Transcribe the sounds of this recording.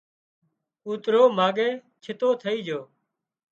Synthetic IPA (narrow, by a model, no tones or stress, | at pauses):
uːt̪ɾoːmaːɡeː | t͡ʃʰɪt̪oːt̪ʰəiːd͡ʒoː